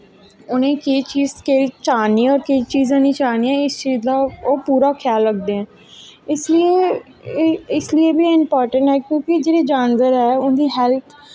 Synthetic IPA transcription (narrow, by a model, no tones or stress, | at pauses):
ʊnẽːkeːt͡ʃiːzkeːt͡ʃaːniːɔːɾkeːt͡ʃiːzãːnĩːt͡ʃaːniːɛ̃ːɪst͡ʃiːzd̪aːoːpuːɾaːkʰjaːlːəɡ̚d̪eɛ̃ː | ɪslieː | ɪslɪeːbiːɪmpɔːɾʈə̃ɳʈɦɛːkjõːkɪd͡ʒeːɽeːd͡ʒãːnʋəɾɛːʊnd̪iːɦɛːlt̪ʰ